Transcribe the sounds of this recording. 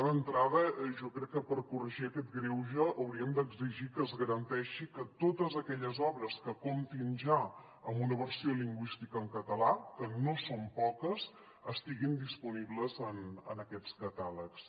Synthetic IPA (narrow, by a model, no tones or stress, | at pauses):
ðənt̪ɾaðəʒɔkɾɛkːəpəɾkurəʒiəkɛt̪ɡɾewʒəʔːwɾiəmd̪əɡziʒikəːzɣəɾənt̪ɛʃikət̪ot̪əzəkɛʎəzɔβɾəskəkomt̪inʒa | əmbunəβərsioliŋɡwist̪ikəːŋkət̪əlakənosompɔkəz | əst̪iɣind̪ispuniβləzənə̰nəkɛt͡skət̪aləks